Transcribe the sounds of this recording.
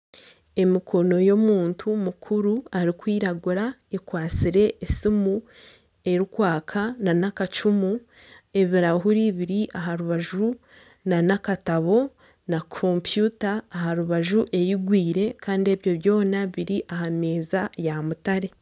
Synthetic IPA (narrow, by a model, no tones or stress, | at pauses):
e̞mikʰo̞no̞jo̞muːntʰumukʰuɾuaɾikwiːɾaɡuɾaekwaːt͡siɾe̞ʔesimu | e̞ɾukwaːkʰananakat͡ʃumu | e̞βiɾaɦuɾiβiɾiʔaɦaɾuβaʒu | nanakataβo̞ | nakʰompjutaːɦaɾuβaʒuʔe̞jiɡwiːɾe̞kaːndie̞βjo̞βjo̞ːnaβiɾiʔaɦameːzajamutaɾe̞